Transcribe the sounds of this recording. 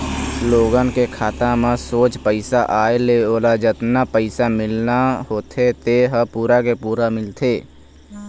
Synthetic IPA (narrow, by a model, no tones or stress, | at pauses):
sloːɡənkekʰaːt̪ãmãsoːt͡ʃpəɪsaʔaːeleoːlad͡ʒət̪napəɪsamɪlnaɦoːt̪ʰet̪eɦəpuːɾakepuːɾamɪlt̪ʰeː